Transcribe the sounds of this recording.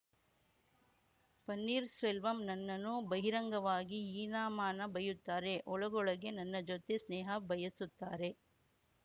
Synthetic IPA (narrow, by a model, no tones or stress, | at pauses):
pɐnːiːɾsʋelʋɐmnɐnːɐnubɐɦiɾɐŋɡɐʋaːɡiiːnaːmaːnɐbɐjut̪ːaːɾe̞ʔɔɭɐɡɔɭɐɡe̞nɐnːɐd͡ʒot̪e̞sneːɦɐbɐjɐsut̪ːaːɾe̞